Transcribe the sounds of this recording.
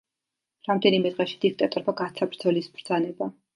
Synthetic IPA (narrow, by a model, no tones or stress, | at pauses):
ɾamd̪ɛnimɛd̪ʁɛʃi̥d̪̥ik̚ʰt̪ʼat̪ʼɔɾbaɡat̪sʰabɾd̪zɔlisbɾd̪zanɛba